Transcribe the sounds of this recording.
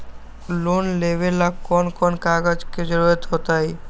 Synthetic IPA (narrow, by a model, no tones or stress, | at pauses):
lonlebelakkːɔnkɔnkaɡad͡ʑked͡ʑoɾoet̪ɦot̪aj